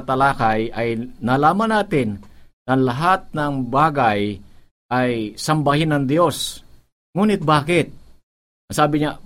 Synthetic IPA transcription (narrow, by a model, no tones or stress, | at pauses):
t̪ɐlaːkajʔɐjnɐlaːmɐnaːt̪ɪnnɐŋlɐɦat̪̚nɐŋbaːɡaj | ʔajsɐmbɐhɪnɐŋd̪jo̞s | ŋuːnɪt̪̚baːkɪt̪̚ | saːbɪɲa